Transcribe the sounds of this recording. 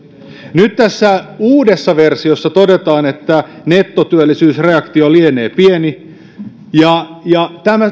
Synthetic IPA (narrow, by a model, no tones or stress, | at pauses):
nyt̪t̪æsːæuːdesːɑʋe̞rsiosːɑt̪o̞de̞t̪ɑːne̞t̪ːæ | ne̞t̪ːot̪yølːisyːsreɑkt̪iolieneːpieni | jɑjɑt̪æmæ